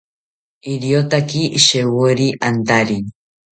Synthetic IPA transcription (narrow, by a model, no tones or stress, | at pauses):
iɾiot̪akiʔʃewoɾiʔant̪aɾi